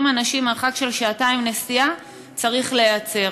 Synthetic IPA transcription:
manaʃimeʁχakʃe̞lʃaːtaimnesia | t͡saʁiχle̞jat͡se̞

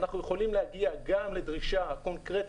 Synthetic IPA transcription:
naχnujeχo̞limlehaɡiaɡamle̞d̪ʁiʃako̞nkʁet

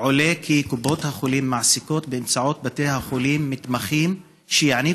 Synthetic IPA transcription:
ʕole̞kʰikubo̞thaχolimːaʕsiko̞tbeːmt͡saʕo̞t̪̚bate̞jhaχolimːit̪maχim | ʃejiʕni

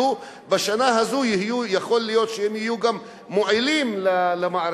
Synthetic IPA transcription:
u | baʃanaɦazujihijujaχo̞lːijo̞t̪ʃeemhijuɡamː | oalimlalemaaɾ

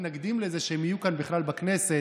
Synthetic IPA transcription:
naɡd̪imlezeʃeemhijukanbiχlalbaknese

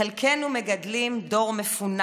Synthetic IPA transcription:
elkʰenumeɡadlimdo̞ʁmefun

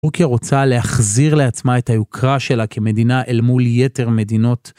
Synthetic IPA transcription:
ʁkjaʁot͡sale̞haχziʁle̞at͡smae̞thajukʰʁaʃe̞lakʰeme̞d̪inaʔelmulje̞te̞ʁme̞d̪ino̞t

